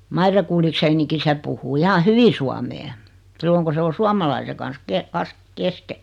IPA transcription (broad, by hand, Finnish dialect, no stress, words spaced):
mɑire kulːikseːniki se puhˑuː ihɑ hyʋi suɑmeː silːoŋ ku se o suɑmɑlɑise kɑn̞s ke kɑs keske